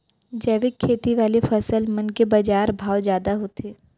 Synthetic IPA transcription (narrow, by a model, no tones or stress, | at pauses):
d͡ʒɛːʋɪkʰːeːt̪iʋaːlefʰɐsəlmɐnkebɐd͡ʒaːɾbʱaːwd͡ʒjaːd̪aɦot̪eː